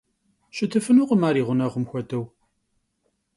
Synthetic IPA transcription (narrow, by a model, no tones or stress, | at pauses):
ʃət̪ːəfənʊqəmaɾiʁənæʁəmxʷæt̪æw